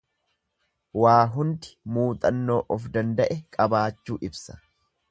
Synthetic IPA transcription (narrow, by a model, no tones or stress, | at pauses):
waːɦʊnd̪ɪ̥muːt̪ʼɐnːo̞ːʔɔfd̪ɐnd̪ɐʔɛkʼɐbaːt͡ʃːuːʔɪbsɐ̥